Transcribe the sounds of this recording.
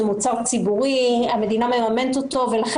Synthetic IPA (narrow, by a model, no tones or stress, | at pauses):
emut͡saʁt͡sibuʁiame̞d̪inamemamenet̪ot̪o̞velaχ